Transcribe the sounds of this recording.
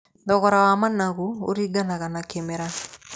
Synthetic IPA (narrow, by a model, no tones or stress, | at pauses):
dɔɡɔɾawamanaɡuo̰ɾiɡanakanakemeɾa